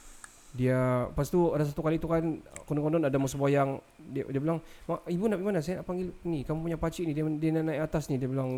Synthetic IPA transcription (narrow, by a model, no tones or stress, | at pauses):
diapast̪uadas̬at̪ukalit̪ukankɔndɔŋkɔnɔnadamusəbajaŋ | dḭdiabilaŋmaibunapimanasajanaʔpaŋɡilnikamupuɲapat͡ʃiʔnidiadiananaiʔat̪asnidiabilaŋ